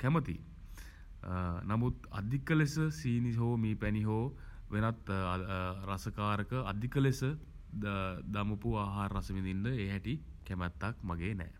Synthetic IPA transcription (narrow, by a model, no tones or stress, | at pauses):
kæmət̪ḭ | namut̪a̰d̪ʱikəlesəsiːniɦoːmiːpæniɦoː | ʋenat̪ | ɾasəkaːɾəkəa̰d̪ʱikəlesə | d̪aməpuaːɦaːɾːasəʋinindəeːɦɛʈikæmɛt̪ːakmaɡeːnɛ̰ː